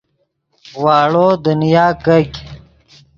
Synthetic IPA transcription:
waːɭoːd̪ənjaːkɐɡʲ

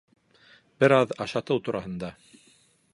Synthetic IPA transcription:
bɘɾɑðɑʃɑt̪ɤwt̪uɾʔɑhɤ̆nd̪ɑ

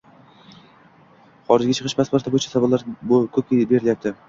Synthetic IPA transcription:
χɒɾɪd͡ʒɡʲat͡ʃʰɨ̥qʰɨʃbasbaɾt̪ʰabojɪt͡ʃʰḁsabalːaɾbkʲʰɵkʲebe̞ɾɪljap̚t̪ʰɪ

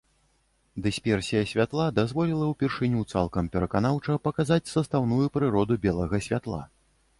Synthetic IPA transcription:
d̪ɨsʲpʲɛrsʲijɐsʲvʲat̪lˠad̪azvɔlʲilˠɐwpʲɛrʂɨnʲut̪sa̰lˠkɐmpʲɛɾɐkan̪awt͡ʂɐpɐkazat͡sʲsɐst̪awnujupɾɨɾɔd̪ubʲɛlˠɐɣɐsʲvʲat̪lˠa̰

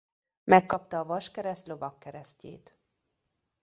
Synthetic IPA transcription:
mɛkːɒp̚t̪ɒːvɒʃkɛɾɛst̪lo̞vɒkːɛɾɛscḛːt̪

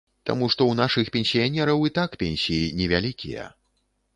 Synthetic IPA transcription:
t̪a̰muʂt̪ɔwnaʂɨxpʲɛnʲsʲijanʲɛɾɐwit̪akpʲɛnʲsʲijinʲɛvʲalʲikʲḭjɛ̰

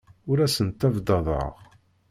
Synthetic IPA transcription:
ʊɾæsənt̪ævd̪ɑðˤə̰ʁ

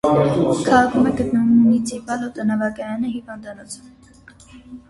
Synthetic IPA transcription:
kʰɑʁɑkʰumɛɡət̪nəvumunit͡sʰipɑlɔt̪ɔnɑvɑkɑjɑnəɦivɑnd̪ɑnɔt͡sʰən

